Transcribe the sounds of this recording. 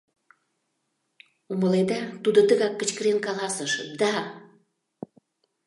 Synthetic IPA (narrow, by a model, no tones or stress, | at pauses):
uməled̪ɑt̪ud̪ot̪əɣɑkːə̆t͡ɕkəɾenkɑlɑsəʃd̪ɑ